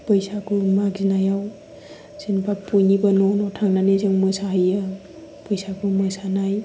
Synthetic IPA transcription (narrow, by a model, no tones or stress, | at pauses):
pəjsakumaɡzinajaw | senpʰapujnibanɔnɔtʰaŋnanezeŋmɯsaɦja | pɔjsakʰumɯsanaj